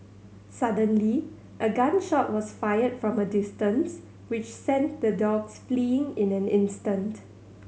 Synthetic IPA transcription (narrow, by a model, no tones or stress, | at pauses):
sadə̃nli | ʔəɡãnʃɔt̚wɔsfajədfɹɔ̃mədɪstə̃ns | wɪt͡ʃsɛ̃ntd̪ədɔɡsfliɪ̃ŋɪ̃nɛ̃nɪ̃nstə̃nt